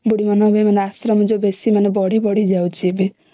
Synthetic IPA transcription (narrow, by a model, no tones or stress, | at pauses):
buɽimanɔɦbemaneasɾɔmd͡ʒobesimanebɔɽibɔɽ̤id͡ʒawt͡ʃʰibe